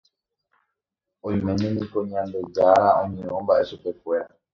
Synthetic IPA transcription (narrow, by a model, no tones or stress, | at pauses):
õj̃mẽ̞ɲẽnĩkoɲãmbe̞d͡ʒaɾaõɲẽɾõmbaʔe̞ʃupe̞kwe̞ɾa